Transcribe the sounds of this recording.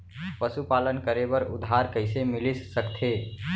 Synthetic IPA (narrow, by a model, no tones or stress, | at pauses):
pəsupaːlənkəɾebəɾʊ̰d̪ʱɦaɾkəɪsemɪlisːəkt̪ʰeː